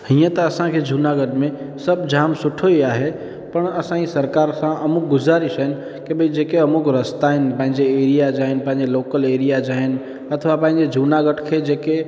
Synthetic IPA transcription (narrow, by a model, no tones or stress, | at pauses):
ɦijãt̪əəsãkʰed͡ʒʱunaɡəʈmẽ | səbd͡ʒamsʊʈʰoiaɦe | pəɳəsãisəɾkaɾsãʔəmuk̚ɡʊd͡ʒaɾisən | kebʱəid͡ʒekeəmukɾəst̪aenpãːɦĩd͡ʒeeɾijad͡ʒaːɦenpãɦĩd͡ʒeloːkəleɾijad͡ʒaɦen | ət̪ʰʋapãːɦĩnd͡ʒed͡ʒʱunaɡəʈkʰed͡ʒeke